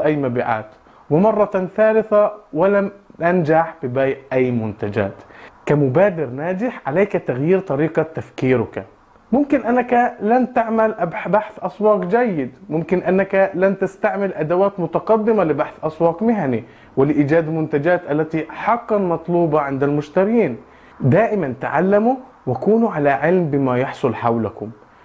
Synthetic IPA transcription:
ʔajːmabiːʕa̰ːt̪ | wɪmɑrˤːɑθaːlɪθawɪlamtand͡ʒaħb̥ɪbaːjʔʔajːmʊnt̪ad͡ʒa̰ːt̪kamʊbaːd̪ɪɾnaːd͡ʒɪħʕalaːkat̪aɣjiːɾt̪ˤɑɾiːqɑt̪afkiːɾʊka̰ | mʊmkɪnʔanːakalant̪aʕmalʔbaħθʔɑswɑːqd͡ʒajːɪd̪mʊmkɪnʔanːakalant̪ast̪aʕmɪlʔad̪awaːt̪mʊt̪ɑqɑd̪ːɪmalɪbaħθʔɑswɑːqmɪɦani | wɪlɪʔiːd͡ʒaːd̪mʊnt̪ad͡ʒaːt̪ʔalːat̪iħɑqːɑnmɑt̪ˤluːbɑʕɪnd̪almʊʃt̪aɾjiːn | d̪aːʔɪmant̪aʕalːamu | wɪkuːnuʕalaʕɪlmbɪmajɑħsˤʊlħawlakʊm

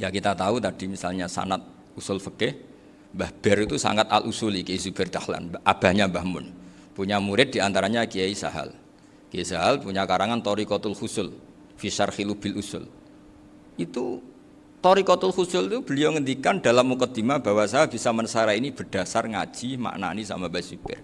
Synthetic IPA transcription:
jakit̪at̪aut̪ad̥imisalɲasa̰nat̪̚ | usʊlfəkɪh | mbahb̥ɛɾit̪usa̰ŋat̪a̰lʔusʊlikeisub̥ɛrd̪̥ahla̰nʔab̥a̤ɲabahmʊ̰n | puɲamuɾɪt̪̚d̥̪iant̪aɾaɲakieisa̰ɦa̰l | kieisaɦalpuɲakaɾaŋant̪ɔɾikɔt̪ʊlxusʊl | fisarxilub̥ɪlusʊ̰l | ʔit̪u | t̪ɔɾikɔt̪ʊlxusʊlt̪ub̥ə̤liawŋənd̪ikandalamːukɔd̪̥i̤mab̥a̤wasaɦab̥isamənəsaɾainib̥ərd̥a̤sarŋa̰̥d͡ʒ̥ima̰ʔna̰nisa̰mabasub̥ɪ̰r

